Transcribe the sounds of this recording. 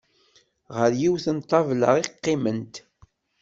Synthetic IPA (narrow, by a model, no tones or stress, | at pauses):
ʁəɾjiwθənt̪ˤːɑvlə̰ʁiqːɪmənt̪